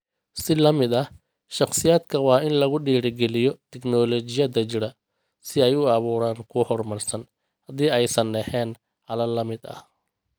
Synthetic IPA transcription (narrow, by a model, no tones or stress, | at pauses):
sɪlɐmɪd̪ɐh | ʃɑχsɪjaːd̪kʰɐwɑːɪnlɐɣʊɖiːɽɪɡɛlɪjɔt̪ʰɛknɔːlɔt͡ʃɪjɐd̪ɐt͡ʃɪɽɐ | sɪɛjʊɑβuːɾaːŋkʰʊhɔrmɐrsɐn | hɐðiːɛjsɐnɖɛħɛːn | ʔɐlɐlɐmɪd̪ɐ̰h